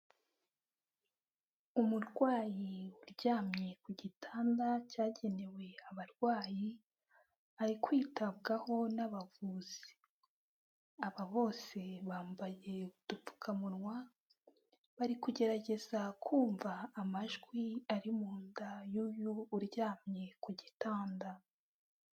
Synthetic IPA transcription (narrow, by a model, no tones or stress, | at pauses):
umuɾɡwaːjiuɾɟaːmɲe̞kuɟitʰaːndacaːɟe̞ne̞we̞aβaɾɡwaːji | aɾikwiːtaβɡaho̞naβavuːz̥i̥ | aβaβo̞ːse̞βaːmbaje̞ud̥uu̥kʰamunwa | βaɾikuɟe̞ɾaɟe̞z̥akʰuːɱvaːmaʒɡwiaɾimuːndajuːjuːɾɟaːmɲe̞kuɟitaːnda